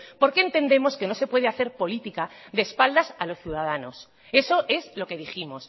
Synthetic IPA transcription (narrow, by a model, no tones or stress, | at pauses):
poɾke̞ːnt̪e̞nd̪e̞mo̞ske̞no̞se̞pwe̞ð̞eaθe̞ɾpo̞lit̪ikaðeːspald̪asalo̞sθjuð̞að̞ano̞s | e̞so̞ʔe̞zlo̞ke̞ðiximo̞s